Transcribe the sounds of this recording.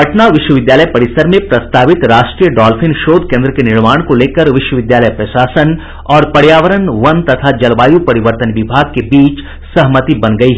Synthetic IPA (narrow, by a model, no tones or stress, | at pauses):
ɦɐʈnaʋɪʃwəʋɪd̪jaːləjpɐɽɪsəɾmẽpɾɐst̪aːʋɪt̪ɾaːʃʈɾijəɖɔːlfʰɪnʃoːd̪̚kẽːnd̪ɾəkenɪɾmaːɽ̃koleːkəɾʋɪʃwəʋɪd̪jaːləjpɾɐʃaːsən | ɔːɾpɐɽjaːʋəɾənʋɐnt̪ɐt̪ʰad͡ʒɐlʋaːjupɐɾɪʋəɾt̪ənʋɪbʱaːɡ̚kebiːt͡ʃ | sɐɦmət̪ibɐnɡɐiɦɛ